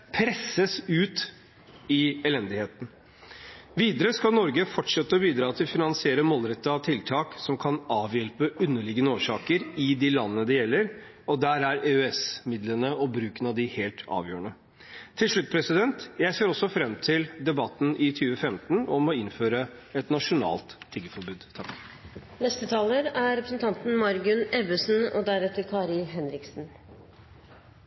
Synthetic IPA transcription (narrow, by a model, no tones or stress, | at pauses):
pʰɾɛsːəsʉːt̪ | ɪɛlɛnd̪ɪheːt̪ən̩ | ʋiːd̪əɾəskɑlnɔɾɡəfɔʈʂɛt̪ːəɔbiːd̪ɾɑːt̪ʰɪlfɪnɑnsɪeːɾəmoːlɾɛt̪ːəɑʋt̪ʰɪlt̪ʰɑːksɔmkʰɑnɑːʋjɛlpəʉnːəɭɪɡənəoːʂɑːkəɾɪd̪iːlɑnːəd̪ɛjɛlːəɾ | ɔd̪æːɾæɾeøɛsmɪd̪lənəɔbɾʉːkənɑʋd̪ɪheːlt̪ʰɑ̰ːʋjøːəɳə | t̪ʰɪlʂɭʉt̪ːpʰɾɛsɪd̪ɛnt̪jæɪseːɾɔsːɔfɾɛmːt̪ʰɪld̪ɛbɑt̪ːn̩ʔɪt̪ʰyːʋəfɛmt̪n̩ɔmɔɪnføːɾəɛt̪nɑʂʊnɑ̰ːlt̪ʰːɪɡəfɔɾbʉːd̪t̪ʰɑk | nɛst̪ət̪ʰɑːləɾæɾɛpɾəsn̩t̪ɑnt̪n̩mɑɾɡʉnɛbəsn̩ɔd̪æɾɛt̪ːəɾkʰɑːɾɪlɦɛnɾɪksn̩